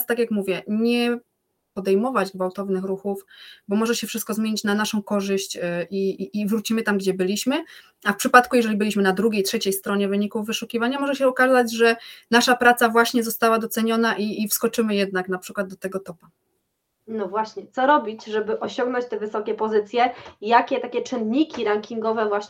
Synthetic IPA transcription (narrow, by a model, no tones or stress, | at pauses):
st̪akʲjakmuvʲjɛɲɛ | pɔd̪ɛjmɔvad͡ʑɡvawt̪ɔvnɘxɾuxufbɔmɔʐɛɕɛfʂɘst̪kɔzmjeɲit͡ɕnanaʂɔ̃w̃kɔʐɘɕt͡ɕʔiːvɾut͡ɕimɘt̪amɡd͡ʑɛbɘlʲiɕmɘ | afpʂɘpat̪kujɛʐɛlʲibɘlʲiɕmɘnad̪ɾuɡʲejtʂɛt͡ɕejst̪ɾɔɲɛvɘɲikuvːɘʂukʲivaɲamɔʐɛɕɛɔkazad͡ʑʐɛnaʂapɾat̪savwaɕɲɛzɔst̪awad̪ɔt̪sɛɲɔnaʔiːfskɔt͡ʂɘmɘjɛd̪̚naknapʂɘkwad̪d̪ɔt̪ɛɡɔt̪ɔpa | nɔvwaɕɲɛt̪sɔɾɔbʲit͡ɕʐɛbɘʔɔɕɔ̃ŋɡnɔ̃t͡ɕt̪ɛvɘsɔkʲɛpɔzɘt̪sʲjɛjakʲɛt̪akʲɛt͡ʂɘnɲikʲiɾaŋkʲiŋɡɔvɛvwaɕ